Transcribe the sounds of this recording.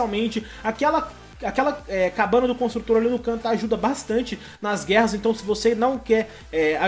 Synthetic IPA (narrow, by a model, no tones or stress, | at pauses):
awmẽnt͡ʃɪ | akɛlɐ | akɛlɐɛkabɐ̃nɐd̪ʊkõst̪ɾut̪oɾalinʊkɐ̃t̪aʒud̪ɐbast̪ɐ̃nt͡ʃɪ | nɐzɡɛhɐzẽt̪ɐ̃w̃sɪvosenɐ̃w̃kɛɾ | ɛa